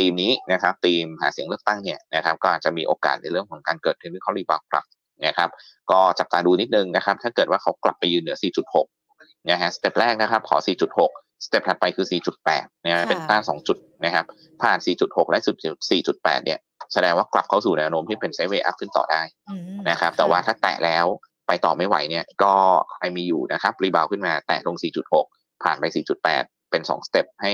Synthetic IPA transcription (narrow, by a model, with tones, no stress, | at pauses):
t̪iː˧mniː˦˥na˦˥kʰa˦˥p̚t̪iː˧mha̰ː˩˦si˨˩˦ŋlɯ˥ək̚t̪a˥˩ŋni˥˩ɐna˦˥kʰa˦˥p̚kɔː˥˩ʔaː˨˩t̪̚t͡ɕa˨˩miː˧ʔoː˧ka̰ː˨˩t̪̚na˧jɾɯ˥˩əŋkʰɔː˨˩˦ŋkaː˧nkɤː˨˩t̪̚kʰɯ˥˩nwʰi˥˩kʰɔ˦˥liː˧˩baː˧˩kla̰˨˩p̚ | na˦˥kʰa˦˥p̚ | kɔː˥˩t͡ɕa˨˩p̚t̪aː˧duː˧ni˦˥t̪̚nɯ˨˧ŋna˦˥kʰa˦˥pt̪ʰaː˥˩kɤː˨˩t̪waː˥˩kʰa˦˥wkla̰˨˩pːa˧jːɯː˧nːɯ˩˦ɐsiː˨˩t͡ɕu˨˩t̪̚ho˨˩k̚ | na˦˥kʰa˦˥ʔst̪e˨˩p̚ɾɛː˥˩k̚na˦˥kʰa˦˥p̚kʰɔː˩˦siː˨˩t͡ɕu˨˩t̪̚ho˨˩k̚ | st̪e˨˩p̚tʰa˨˩pa˧jkʰɯː˧siː˨˩t͡ɕu˨˩t̪̚pɛ̰ː˨˩t̪̚na˦˥˦kʰa˦˥pe˧nt̪aː˥˩sɔː˩˦ŋt͡ɕu˨˩t̪̚na˦˥kʰa˦˥p̚ʰː | aː˨˩nsiː˨˩t͡ɕu˨˩t̪̚ho˨˩k̚lɛ˦˥su˨˩t̪̚t͡ɕ̪̚siː˨˩t͡ɕu˨˩t̪̚pɛ̰ː˨˩t̪̚ni˥˩ɐ | sa˧dɛː˧ŋwaː˥˩kla̰˨˩p̚kʰa˦˥˩suː˨˩nɛː˧wnoː˦˥mt̪ʰiː˥˩pe˧nse˦˥weː˧ʔa̰˦˥˩p̚kʰɯ˥˩nt̪ɔ̰ː˨˩daː˥˩jna˦˥kʰa˦˥p̚t̪ɛː˨˩waː˥˩t̪ʰaː˥˩t̪ɛ̰ː˨˩ʔlɛː˦˥w | pa˧jt̪ɔ̰ː˨˩ma˥˩jwa̰˩˦jni˥˩ɐkɔː˥˩kʰa˧jmiː˧juː˨˩na˦˥kʰa˦˥p̚ɾi˧baː˧wkʰɯ˥˩maː˧t̪ɛ̰ː˨˩lo˧ŋsiː˨˩t͡ɕu˨˩t̪̚ho˨˩k̚ | pʰaː˨˩npa˧jsiː˨˩t͡ɕu˨˩t̪̚pɛ̰ː˨˩t̪̚pe˧nsɔ̰ː˩˦ŋst̪e˨˩p̚ha˥˩j